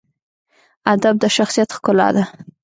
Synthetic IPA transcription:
ad̪ab̚d̪əʃaxsijat̪xkʊlɑ̰d̪a

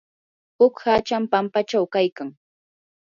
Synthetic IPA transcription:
hʊkhat͡ʃampampat͡ʃawkajkaŋ

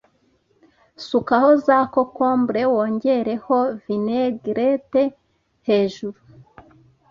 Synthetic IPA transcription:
sukaho̞zaːko̞ko̞ːmbɾe̞woːɲɟe̞ɾe̞ho̞vineɡɾete | he̞ːʒuɾu

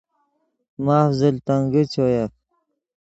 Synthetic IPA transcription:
maːfzilt̪aŋɡit͡ɕoja

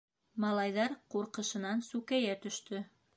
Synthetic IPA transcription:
mɑlˠɑjðɑɾquɾqɤ̆ʃɤ̆nɑnsʉkæjæt̪ɵ̆ʃt̪ɵ

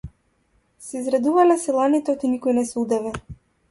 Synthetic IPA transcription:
sɛizɾad̪uvalɛsilˠanit̪ɛɔt̪inikɔjnɛsud̪ɛvɛ

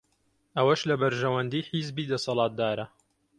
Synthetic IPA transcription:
ʔɐwɐʃlɐbɐɾʒɐwɐnd̪iːħizbiːd̪ɐsɑlˠɑːt̪̚d̪aːɾɐ

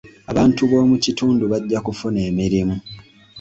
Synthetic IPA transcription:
aβaːntuβo̞ːmucituːnduβaɟːakufune̞ːmiɾimu

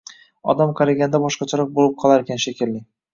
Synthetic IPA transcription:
ɒ̰d̪amqʰɑɾaɡʲanɪd̪abɒʃqɑt͡ʃʰaɾɑq̚bolˠɪp̚qʰɒlˠaɾekʲʰanʃekʲʰɪlːɪ

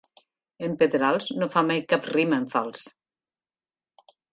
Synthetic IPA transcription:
əmpet̪ɾalˠznofamajkapriməeɱfalˠs

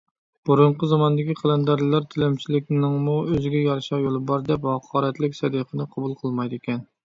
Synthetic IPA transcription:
b̥uɾuɴqʰəzɑmɑnd̪ɪkʲiqʰɑlˠɛnd̪ɑɾlɨlˠɑɾt̪ʰɪlɛmt͡ʃʰilɪk̚ʲnɪŋmuøzɪɡʲɛjɑɾʃɑʁjolˠɨbɑɾd̪ɛphɑqʰɑːɾɛt̪lɪkʲsɛd̪iqʰənɨqʰɑbulˠqʰəlˠmɑjd̪ekʲɛn

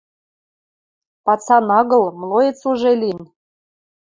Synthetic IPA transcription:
pɑt͡sɑnɑɣɤ̆lˠmlˠojĕt͡suʒelʲin

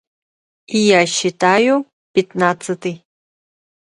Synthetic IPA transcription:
ijaɕɪt̪ajʊ | pʲɪt̪nat̪sɨt̪ɨj

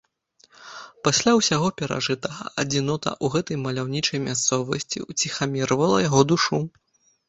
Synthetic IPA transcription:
pasʲlʲawsʲaɣɔpʲɛɾa̰ʐɨt̪ɐɣɐɐd͡zʲinɔt̪ɐ̰ʔuɣɛt̪ɐjmɐlʲawnʲit͡ʂɐjmʲast̪sɔvɐsʲt͡sʲḭwt͡sʲixamʲiɾɐvɐlˠɐjaɣɔd̪uʂu

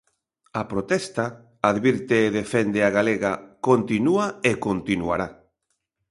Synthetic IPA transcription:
apɾot̪ɛst̪a | aðβiɾt̪eːðefɛnd̪ɪaɣaleɣakont̪inuaekont̪inua̰ɾa

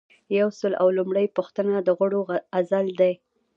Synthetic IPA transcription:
jawsəla̰wlumɽəjpuxt̪ənad̪əɣəɽoazald̪aj

